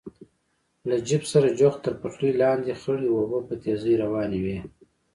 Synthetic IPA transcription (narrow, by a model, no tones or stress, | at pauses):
lad͡ʒɪbsaɾad͡ʒoxt̪əɾpaxlijlɑːnd̪ixəɽiwobapət̪ezijɾawɑːniwe